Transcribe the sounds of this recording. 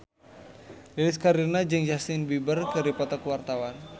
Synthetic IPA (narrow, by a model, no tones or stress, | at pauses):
lilɪskaɾinad͡ʒɨŋd͡ʒasɪnbibərkɨɾipat̪akwart̪awan